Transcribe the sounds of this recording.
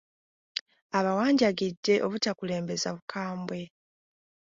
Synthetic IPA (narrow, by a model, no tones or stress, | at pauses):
aβawaːɲɟaɡidːe̞ʔo̞βutakule̞ːmbe̞zaβukʰaːmbwe̞